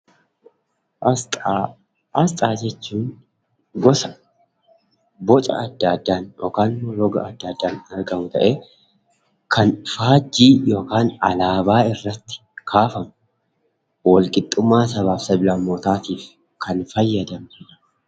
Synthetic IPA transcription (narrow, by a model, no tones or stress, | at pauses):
ʔɐt̪ʼː | ʔɐst̪ʼaːd͡ʒɛt͡ʃːuːn | ɡɔsɐ | bɔt͡ʃʼɐ̰ɐd̪ːɐːd̪ːaːnjo̰ːkaːnmɔɾɔɡɐ̰ɐd̪ːɐd̪ːaːnɐɾɡɐmʊt̪ɐ̰ʔeː | kʰɐnfaːd͡ʒːiːjo̞ːkaːnɐlaːbaːɪrːɐt̪ːɪ̥kʰaːfɐmʊ | wɔlkʼɪt̪ʼːʊmːaːsɐβaːfsɐbɪlɐmːoːt̪aːt̪iːf | kʰɐnfɐjːɐd̪ɐmnɐ